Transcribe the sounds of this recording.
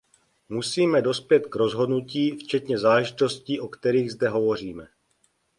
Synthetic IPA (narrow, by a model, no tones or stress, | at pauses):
musiːmɛdo̞spjɛt̪kɾo̞zɦo̞dnuciːft͡ʃɛt̪ɲɛzaːlɛʒɪt̪o̞sciːʔo̞kt̪ɛɾiːɣzdɛɦo̞vo̞r̝iːmɛ